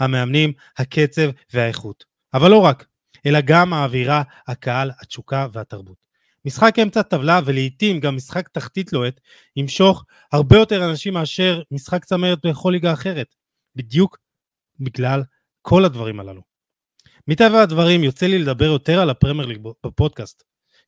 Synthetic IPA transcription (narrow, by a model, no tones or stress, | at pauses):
hame̞amnim | hakʰe̞t͡se̞vve̞aeχut | avalːo̞ʁak | e̞laɡamaːviʁa | hakaalat͡ʃukavehat̪aʁbut | misχake̞mt͡satavlave̞leit̪imɡamːisχakt̪aχt̪it̪lo̞et̪ | himʃo̞χ | haʁbe̞jo̞te̞ʁanaʃimːeaʃe̞ʁmisχakt͡sameʁet̪̚beχo̞liɡaːχe̞ʁe̞t̪ | bid̪juk | biɡlal | kʰo̞lad̪vaʁimala̰nu | mit̪avaad̪vaʁimjo̞t͡selile̞d̪abe̞ʁjo̞t̪e̞ʁalapʁemeʁb̥epo̞d̪̚kast